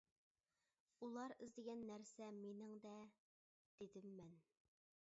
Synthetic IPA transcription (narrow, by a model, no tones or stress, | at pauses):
ulˠɑɾɪzd̪ɪɡʲɛnːæɾsɛmenɪŋd̪ɛ | d̪̥ed̪ɪmːɛn